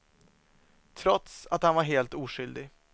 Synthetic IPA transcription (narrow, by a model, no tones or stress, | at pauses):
t̪ʰɾɔt̪sat̪hanvaɾɦeːlt̪uːʂʏld̪ɪ